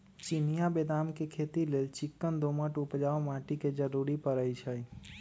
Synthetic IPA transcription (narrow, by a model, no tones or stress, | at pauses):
t͡ʃinijabed̪amkekʰeːt̪ilelt͡ʃɪkːənd̪oːməʈupd͡ʒaːomãːʈiked͡ʒəɾuɾipəɾəjt͡ʃʰəi